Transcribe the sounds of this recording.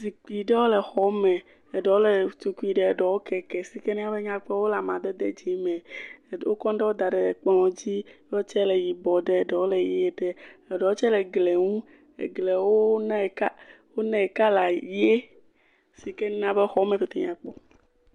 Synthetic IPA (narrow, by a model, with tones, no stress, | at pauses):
si˨k͡pi˨ɖɛ˦wo˦le˨xɔ˦mɛ˨ | e˨ɖɔ˨wo˦le˨t̪u˨ku˦i˦˨ɖe˦e˨ɖɔ˨wo˦kɛ˨kɛ˨si˨ke˦ñ˦ã˦be˦ɲã˦k͡pɔ˦wo˦la˨mã˨d̪e˦d̪e˦d͡ʒe˨˦mɛ̃˨wo̰˦kɔ̃˦ɖɛ˦wo˦d̪a˨ɖɛ˨k͡pɔ˦ŋɔ̃˨d͡ʑi˦ | o˦t͡ʃɛ˦le˨ji˨bɔ˨ɖɛ˦˨ɖɔ˨wo˦le˨je˦e˨ɖe˦e˨ɖɔ˨wo˦t͡ʃɛ˦lɛ˨ɡle˨ŋũ˦ | ḛ˨ɡle˨wo˦nɛ̃˦˨ka˦ | wo˦nɛ̃˦˨ka˦la˨je˦ | si˨ke˦n˦ã˦be˦xɔ˦mẽ˨fe˨t̪e˨ɲã˨k͡pɔ˦